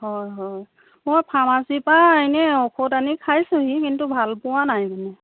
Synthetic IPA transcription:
hɔjɦɔj | mojpʰamasipaajnɛɔkʰotanikʰajsũɦikintubʱalpʊwanajkanɛ

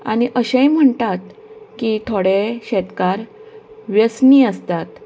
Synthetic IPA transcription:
a̰ɽ̃iʔəɕẽjm̤əɳt̪at̪kit̪ʰoɽeɕɛt̪kaɾʋjəsniːəst̪at̪

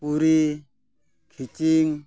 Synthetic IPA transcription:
puɾi | kʰit͡ʃiŋ

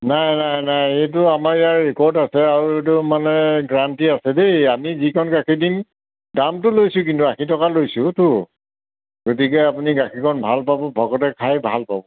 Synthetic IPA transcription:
najnajnajet̬ʊamaɹijaɹːikɔɹdasɛaɹuet̬ʊmanɛɡɹantiasɛdeamizikʰɔnɡakʰidin | damtʊlojsʊ̃k̬intuakʰitɔkalojsʊ̃tʊ | ɡot̬ikɛapuniɡakʰikʰɔnbʱalpabɔbʱɔɡɔtɛkʰajbʱa̰lpa̰bɔ

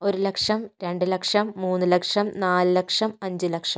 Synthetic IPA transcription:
o̞ɾulɐkʂɐmɾe̞ɳɖɨlɐkʂɐmːuːnːulɐkʂɐmnaːlɨlɐkʂɐmɐɲd͡ʑɨlɐkʂɐm

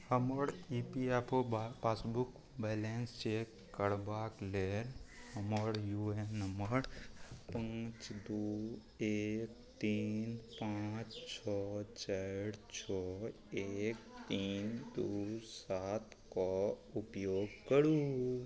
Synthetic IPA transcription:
həməɾiːpiɛpʰopaːsbuk | bɛːlenst͡ʃekː | əɽbaːklelhəməɾjuenəməɾpãːt͡ʃd̪uː | ek̚ | t̪iːnpãt͡ʃt͡ʃʰɔːt͡ʃəɽt͡ʃʰɔː | eːk̚t̪iːnd̪usaːt̪ | koʊpjoːɡkəɽu

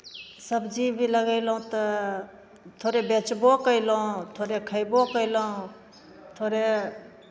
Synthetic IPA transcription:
səbd͡ʒibʱiləɡəɪlɦũt̪ə | t̪ʰoɾebet͡ʃbokəɪlũt̪ʰoɾekʰəjbokəɪlə̃ | t̪ʰoɾe

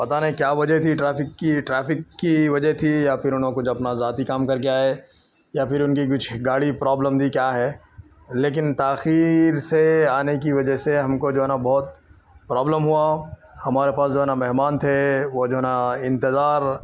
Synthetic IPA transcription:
pɐt̪anɦkjaːʋɐd͡ʒəɦt̪ʰiʈɾaːpɪkːiʈɾɛːpɪkːiʋɐd͡ʒəɦt̪ʰijapɪɾʊnɦõkʊt͡ʃʰɐpnazaːt̪ikaːmkɐɾkeaːe | japʰɪɾʊnkik̬ʊt͡ʃʰɡaːɽipɾaːbləmd̪ʱikjaːɦɛː | leːk̬ɪnt̪aːxiːɾseaːnek̬iʋɐd͡ʒəɦseɦɐmkod͡ʒoːɦɛnabɔːt̪ | pɾɔːbləmɦua | hɐmaːɾepaːsd͡ʒoːɦɛnamɛɦmaːnt̪ʰeʋod͡ʒoːɦɛnaɪ̃nt̪ɪzaːɾ

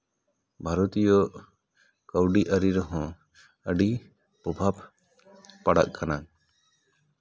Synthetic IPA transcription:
bʱaɾɔt̪ijɔʔ | kəwɖiʔəɾiɾɔɦɔ̃ | əɖi | pɔbʱabʱ | paɽa̰ʔkʰana

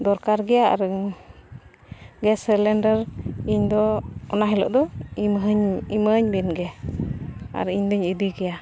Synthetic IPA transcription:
d̪ɔɾkaɾɡɛjaa̰ɾ | ɡɛsɛlɛnɖəɾiɲd̪ɔɔnaɦɛlɔ̰ʔd̪ɔmɦɲiməɲbɛnɡɛ | a̰ɾiɲd̪ɔɲid̪iɡɛja

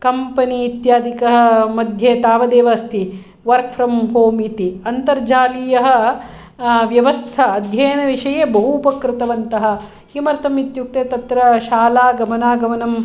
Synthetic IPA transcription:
kɐmpɐniːt̪jaːd̪ikɐɦɐ̆mɐd̪ʱjeːt̪aːʋɐd̪eːʋɐst̪ʰi | ʋɐɾkfʰɾɐmɦoːmit̪iɐnt̪ɐɾd͡ʒaːlijɐɦɐ̆ | ʋjɐʋɐst̪ʰɐːd̪ʱjɐjɐnɐʋiʂɐjeːbɐɦuːpɐkɾɪt̪ɐʋɐnt̪ɐɦɐ̆ | kimɐɾt̪ɐmit̪juk̚t̪eːt̪ɐt̪ɾɐʃaːlaːɡɐmɐnaːɡɐmɐnɐm

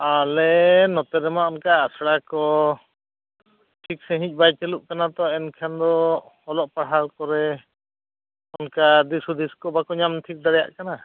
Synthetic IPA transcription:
alɛnɔt̪ɛɾɛmaɔnkaːsɽakɔ | ʈʰik̚sɛ̃ɦĩc̚ˀbajt͡ʃɛluʔkanat̪ɔɛnkʰand̪ɔhɔlɔʔpaɽɦalkɔɾɛ | ɔnkad̪isud̪iskɔbakɔɲamt̪ʰik̚d̪aɽɛja̰ʔkana

